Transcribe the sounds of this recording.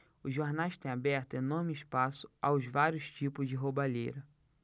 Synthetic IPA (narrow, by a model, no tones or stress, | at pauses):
ʊzʒːoɾnajʃt̪ẽj̃abɛɾt̪ʊenoɾmɪɪʃpasʊ̥a̰wzvaɾjʊst͡ʃipʊzd͡ʒɪɦobaʎḛjɾɐ